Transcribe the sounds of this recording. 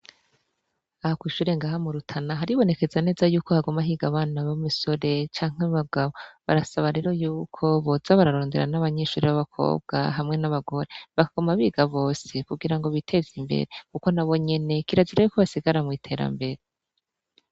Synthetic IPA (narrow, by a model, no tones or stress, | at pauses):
ahakwiːʃuːɾe̞ŋɡaːɦamuɾutʰanaɦaɾiβo̞ne̞ke̞zane̞ːzajuːkohaɡo̞maɦiːɡaβaːnaβomuso̞ɾe̞t͡ʃaːŋ̥ɦeβaɡaβo̞βa̰ɾasaβaɾe̞ɾo̞juːkʰo̞βo̞zaβaɾaɾoːndeɾa̰naβaɲe̞ʃuːɾiβaβakʰo̞̰ːbɡ̥a̰ɦamŋe̞naβaɡo̞ɾe̞βakaɡ̥o̞maβiːɡaβo̞ːse̞kuɡiɾaŋɡo̞βitʰe̞zimbe̞̰ɾe̞kuko̞naβo̞ɲe̞ne̞kiɾaziɾajukuβasiɡaɾamŋiːtʰe̞ːɾa̰mbe̞ɾe